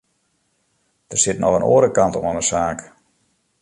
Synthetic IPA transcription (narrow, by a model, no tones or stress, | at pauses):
d̥ərsɪtnʔɔxəno̰ːəɾəkɑntɔmonəsaːk